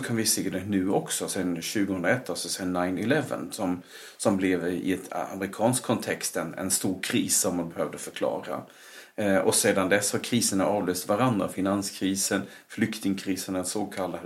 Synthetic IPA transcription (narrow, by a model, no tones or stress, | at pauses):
ɔkʰanvɪseːd̪ɛnʉ̟ːɔksɔsɛnɕʉ̟ːɡəhɵnɾaɛt̪ʰːalsɔsɛnnːaɪnɪlɛvə̰nsɔm | sɔmblɛvɪ̰ɛt̪ʰa̰mɾɪkʰɑːnskkʰːɔnt̪ʰɛkst̪ɛnɛ̰nst̪uːɾkʰɾiːsːɔmːanbɛhøːvd̪əfœɾkʰlɑ̰ːɾa̰ | ɔseːd̪and̪ɛshaɾkʰɾiːsənaʔɑːvløːst̪vaɾand̪ɾa̰fɪnanskʰɾiːsən | flʏkt̪ɪŋkʰɾiːsənɛsoːkʰalːa